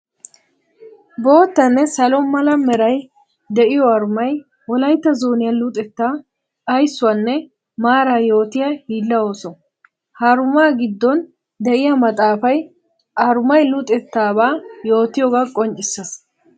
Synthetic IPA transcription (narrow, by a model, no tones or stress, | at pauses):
bo̞ːt̪ːɐnːɛsɐlɔmɐlɐmɛɾɐj | d̪ɛʔɪjɔɐɾʊmɐj | wɔlɐjt̪ːɐzoːnɪjɐlʊt̪ʼɛt̪ːaː | ɐjsːʊɐnːɛ | maːɾaːjo̞ːt̪ɪjɐhiːlːɐo̞ːsɔ | haɾʊmaːɡɪd̪ːɔn | d̪ɛʔɪjɐmɐt̪ʼaːfɐj | ʔɐɾʊmɐjlʊt̪ʼɛt̪ːaːbaːjo̞ːt̪ɪjɔɡakʼɔnt͡ʃʼːɪsːɐs